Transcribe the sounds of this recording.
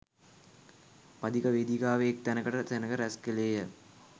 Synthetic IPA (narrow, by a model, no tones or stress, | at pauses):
pɐd̪ikəʋed̪ikaːʋeek̚t̪ænəkəʈət̪enəkəɾæskeleːjə